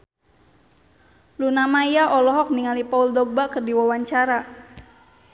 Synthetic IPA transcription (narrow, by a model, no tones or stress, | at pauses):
lunamaijaʔɔlɔɦɔk̚niŋalipauldɔɡ̚bakərdiwawaɲt͡ʃaɾa